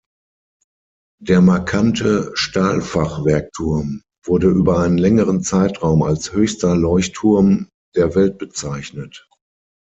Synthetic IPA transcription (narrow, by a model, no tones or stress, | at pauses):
d̥eːɐmaɐkʰantʰəʃtaːlfaχv̥ɛɐk̚tʰʊɐm | vʊɐdəʔyːbɐaɪnənlɛŋəʁənt͡saɪtʁaʊmalshøːçstɐlɔʏçtʰːʊɐm | d̥eːɐvɛlt̚b̥ət͡saɪçnət